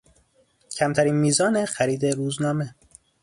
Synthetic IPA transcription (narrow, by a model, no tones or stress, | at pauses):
cʰæmt̪ʰæɾiːnmiːzɒːnexæɾiːd̪e̞ɾuːznɒːme